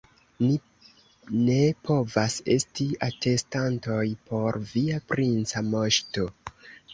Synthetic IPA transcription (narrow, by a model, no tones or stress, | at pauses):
ni | ne̞pʰo̞vase̞̰stiate̞stanto̞jpo̞ɾviapɾint͡samo̞ʃto̞